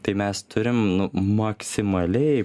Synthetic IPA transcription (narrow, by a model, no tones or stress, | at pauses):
t̪ɐɪmʲɛst̪ʰʊɾʲɪmnʊmɐksʲɪmɐlʲɛɪ